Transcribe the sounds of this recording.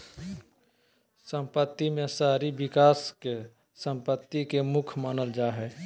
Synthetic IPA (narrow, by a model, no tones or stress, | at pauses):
sə̃mpət̪ːimẽsaːɾibɪkaːske | sə̃mpət̪ːikemʊkʰmaːnəld͡ʒaːɦɛː